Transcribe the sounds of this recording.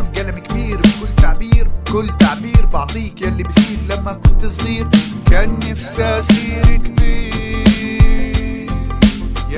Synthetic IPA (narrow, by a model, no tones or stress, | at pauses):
mɡalamkabiːɾbkʊlːt̪aʕbiːɾkʊlːt̪aʕbiːɾbɑʕt̪ˤiːkjalːibsiːɾlamːakʊnt̪sˤɣiːɾ | kaːnːafsasiːɾkbiː | j